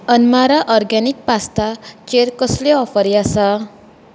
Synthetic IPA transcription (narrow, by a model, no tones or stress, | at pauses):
ənmaɾaʔɔɾɡɛnik̚past̪at͡ʃeɾkɔsleɔfəɾjasa